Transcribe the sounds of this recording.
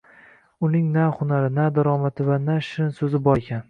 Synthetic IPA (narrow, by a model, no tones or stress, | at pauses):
ʊnɪŋnahʊnaɾɪnad̪aɾɒmat̪ʰɪvanaʃɪnsɵzɪbɒɾekʲʰan